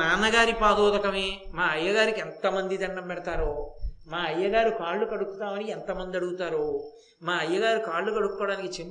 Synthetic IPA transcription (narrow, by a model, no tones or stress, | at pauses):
aːnɐɡaːɾipaːd̪ɔːd̪ɐkɐmeːmaːɐjːɐɡaːɾikent̪ɐmɐnd̪id̪ɐɳːɐmpɛɽɐt̪aːɾumaːɐjːɐɡaːɾukaːɭːukɐɽukːut̪aːmɐniɛnt̪ɐmɐnd̪iɐɽuɡut̪aːɾu | maːɐjːɐɡaːɾukaːɭːukɐɽukːɔːɽaːnikit͡ʃem